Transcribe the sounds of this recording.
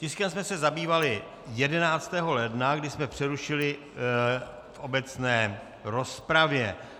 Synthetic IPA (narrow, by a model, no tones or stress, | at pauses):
cɪskɛmsmɛsɛzabiːvalɪ | jɛdɛnaːt͡st̪ɛːɦo̞lɛdnaɡdɪsmɛpr̥ɛɾuʃɪlɪ | fʔo̞bɛt͡snɛː | ɾo̞spɾavjɛ